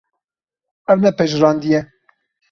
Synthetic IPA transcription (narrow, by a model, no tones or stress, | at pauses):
ɛvnɛpɛʒɾɑːnd̪ijɛ